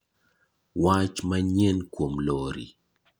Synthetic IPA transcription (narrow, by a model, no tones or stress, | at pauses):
wat͡ʃmaɲɛnkwomlɔɾḭ